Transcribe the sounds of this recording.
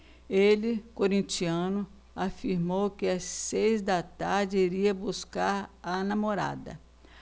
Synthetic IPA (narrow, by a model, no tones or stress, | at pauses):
elɪkoɾĩnt͡ʃiɐ̃nʊ | afiɾmowkɪasːejzd̪ɐt̪aɾd͡ʒɪiɾiɐbuskaɾanamoɾa̰d̪ɐ̰